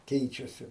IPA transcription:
ˈkʲɛɪt͡ʃʲɛsʲɪ

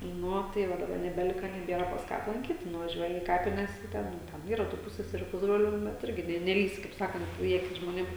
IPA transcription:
ˈnʊ oː tɐɪ ˈʋɐ dɐˈbɐ nʲɛbʲɛˈlʲɪkɐ nʲɛˈbʲiɛrɐ pɐs ˈkɑː ɐplˠɐŋʲˈkʲiːt nʊʋɐˈʒʲuɔjɪ iː ˈkɑːpʲɪnʲɛs ɪ ˈtʲɛn tʲɛn ˈiːrɐ tuː ˈpʊsʲsʲɛsʲɛrʲʊ ˈpʊzbroːlʲʊ bʲɛt ˈɪrʲɡʲɪ nʲɛ nʲɛˈlʲiːsʲɪ kɐɪp ˈsɑːkɐnt iː ˈɑːkʲɪs ʒmoːˈnʲeːm

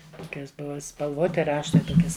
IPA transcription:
ˈtoːkʲɛs ˈbʊʋɐ spɐlˠˈʋoːtʲɪ ˈrɑːʃtɐɪ ˈtoːkʲɛs

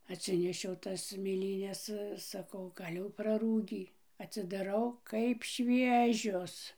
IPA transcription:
ɐtʲˈsʲɪnʲɛʃʲɛʊ ˈtɐs mʲeːˈlʲiːnʲɛs sɐˈkɐʊ ˈɡɐlʲ jɛʊ prɐˈruːɡʲiː ɐtʲsʲɪdɐˈrɐʊ kɐɪp ˈʃʲʋʲiɛʒʲoːs

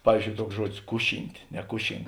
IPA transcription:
ˈpɑːʋʲiːzʲˌd͡ʒʲoːʊ ˈtuɔks ˈʒuɔdʲɪs ˈkʊˌʃʲiːnʲtʲ nʲɛˈkʊʃʲɪŋk

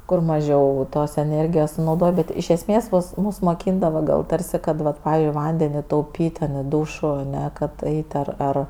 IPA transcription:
kʊr mɐˈʒʲɛʊ toːs ɛˈnʲeːrʲɡʲɪjoːs sʊnɐʊˈdoːj ˈbʲɛt ɪʃ ɛsʲˈmʲeːs ˈmʊs ˈmʊs moːˈkʲiːndɐʋoː ˈɡɐlˠ ˈtɐrʲsʲɪ ˈkɐt ˈʋɐt ˈpɑːʋʲɪ ˈʋɐnʲdʲɛnʲɪ tɐʊˈpʲiːtʲ tʲɛn ɪ ˈduːʃʊ ɐˈnʲɛ kɐt ˈɐɪtʲ ɐr ˈɐr

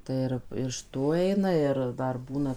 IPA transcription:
ˈtɐɪ ɪr ɪʃ ˈtuː ˈɛɪnɐ ˈɪr ˈdɐr ˈbuːnɐ

